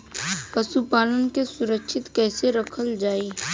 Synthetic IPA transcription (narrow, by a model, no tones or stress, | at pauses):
pɐsupaːlənkesʊɾəkʃʰɪt̪kɛːseɾɐkʰəld͡ʒaːiː